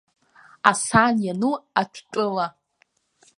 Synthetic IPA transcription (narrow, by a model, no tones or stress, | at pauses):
asanjanuaʈ͡ʂʷʰʈ͡ʂʼɨla